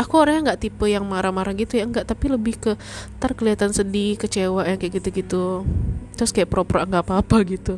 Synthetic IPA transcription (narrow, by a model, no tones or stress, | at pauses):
akuoɾaŋɲaŋɡaʔt̪ipəjaŋmaɾamaɾaŋɡit̪ujaəŋɡaʔt̪apiləbɪhkə | t̪arkəliat̪ansədikət͡ʃewaʔjaŋkajaʔɡit̪uɡit̪u | t̪əɾʊskajaʔpɾopɾoʔŋɡapapaɡit̪u